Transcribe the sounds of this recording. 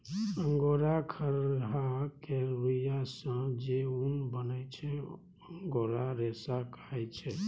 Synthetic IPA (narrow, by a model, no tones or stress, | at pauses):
əŋɡoɾakʰəɾɦakeɾijasə̃d͡ʒeunbənət͡ʃʰɛ | əŋɡoɾaɾesakaɛt͡ʃʰɛ